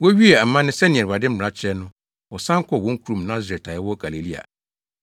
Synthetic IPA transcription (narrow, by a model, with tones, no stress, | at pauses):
wɔ˦ɥi˦ɛ˨a˨mːã˦nɪ̃˦sɛ˦nɪ̃˨ɛ̃˨ba˨dɪ˦m̩˦˨a˦t͡ɕʰɛ˦nʊ̃˦ | wɔ˨sã˦ŋ̩˦kʰɔ˦˨wɔ̃˨˦ŋ̩˦kʰu˨ɾũ˨mnã˦zɾɛ˨tʰa˨ɛ˦wɔ˦ɡ̥a˨le˨li˦a̰˨